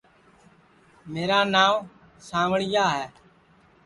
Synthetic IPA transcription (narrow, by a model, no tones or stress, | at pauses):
meːɾaːnaːʋ | sãːʋəɽɪjaːɦɛː